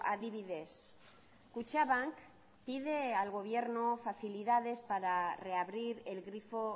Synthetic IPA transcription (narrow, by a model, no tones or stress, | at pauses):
a̰ðiβ̞iðe̞s | kut͡ʃaβaŋk | pið̞e̞alɣ̞o̞βje̞ɾnofaθiliðað̞e̞spaɾare̞aβɾiɾe̞lɣɾifo̞